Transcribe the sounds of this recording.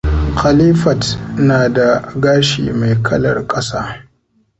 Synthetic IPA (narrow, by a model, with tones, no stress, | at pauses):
xa˨liː˦fɐ˨tnaː˨da˨ɡaː˦ʃḭː˨ma˨jkʰɐ˦lɐ˨rkʼɐ˦saː˦